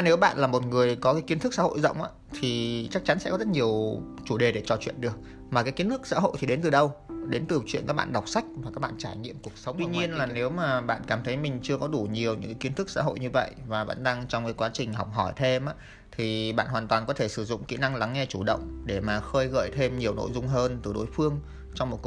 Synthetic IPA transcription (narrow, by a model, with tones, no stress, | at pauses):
ne˨˦wɓa̰ː˧˨nlaː˨˩mo˨˩t̚ŋɨ˨˩əjkɔ˨˦kaː˨˦jki˧ənt̪ɨ˦˥k̚sa̰˧˥ho̰˧˨jzə̰˧˨wŋ͡mʔa̰ː˧˦t̪ʰi˨˩t͡ɕa˦˥k̚t͡ɕa˨˦nsɛ̰˧˥kɔ˨˦zə˦˥t̚ɲi˨˩əwt͡ɕu˧˩ɗe˨˩ɗe˧˩t͡ɕɔ˨˩t͡ɕwḭ˧˨ənɗɨ˨˩ək̚ | maː˨˩kaː˨˦jki˨˦ənt̪ɨ˦˥k̚sa̰ː˧˥ɦo̰˧˨t̪ʰi˨˩ɗe˨˦nt̪ɨ˨˩ɗə˧wɗe˨˦nt̪ɨ˨˩t͡ɕwḭ˧˨nkaː˦˥k̚ɓ̰a̰ː˧˨nɗa˨˩wk͡p̚sa˦˥jk̟̚vaː˨˩ka˦˥k̚ɓa̰ː˧˨nt͡ɕaː˧˩jɲḭ˧˨əmku˨˩ək̚sə˨˦ŋ͡m̪i˧ɲi˧ənlaː˨˩ne˨˦wmaː˨˩ɓa̰ː˧˨nkaː˧˩mt̪ʰə˨˦jmï˨˩ŋ̟t͡ɕɨ˧əkɔ˨˦ɗu˧˩ɲi˨˩əwɲɨ̰˧˥kaː˨˦ki˨˦ət̪ʰɨ˦˥k̚sa̰ː˧˥ɦo̰˧˨jɲɨ˧və̰˧˨jʔvaː˨˩ɓa̰ː˧˥nɗa˧ŋt͡ɕɔ˧wŋ͡mkaː˨˦jkwaː˨˦t͡ɕï˨˩ŋ̟ɦɔ˨˩wk͡p̚ɦɔ˧˩jt̪ʰe˧mʔaː˧˦˥ | t̪ʰi˨˩ɓa̰ː˧˨nɦwaː˨˩nt̪waː˨˩nkɔ˨˦t̪ʰe˧˩sɨ˧˩zʊ̰˧˨ŋ͡mkḭ˧˥na˧ŋla˨˦ŋːɛ˧t͡ɕu˧˩ɗə̰˧˨wŋ͡mɗe˧˩maː˨˩xəː˧jɣə̰ː˧˩jt̪ʰe˧mɲi˨˩əwno̰˧˨jzʊ˧ŋ͡mɦəː˧nt̪ɨ˨˩ɗo˨˦jfɨ˧əŋ | t͡ɕɔ˧wŋ͡mmo˨˩t̚k